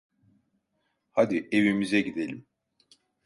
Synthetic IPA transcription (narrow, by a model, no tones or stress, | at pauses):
had̪ievimizɛɟid̪elʲim